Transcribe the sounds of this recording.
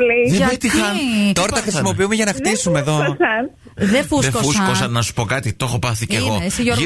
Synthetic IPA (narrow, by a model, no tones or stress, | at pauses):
liðebet̪ixɐnt̪o̞ɾɐt̪ɐxɾisimo̞piumeʝɐnɐfisumeðosɐ | ðefusðekouskosɐnːɐsu̥po̞kɐt̪it̪o̞xopɐθiceɣosiʝoɾ